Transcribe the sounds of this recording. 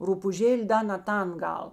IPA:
ruːpʊˈʒʲeːlʲeː ˈdɐ nɐ ˈtɐn ˈɡɐlˠ

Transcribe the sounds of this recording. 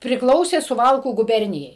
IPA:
pʲrʲɪkˈlˠɐʊsʲeː sʊˈʋɐlˠkuː ɡʊˈbʲɛrʲnʲɪjɛɪ

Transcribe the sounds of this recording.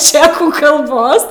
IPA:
ˈt͡ʃʲæːkuː kɐlˠˈboːs

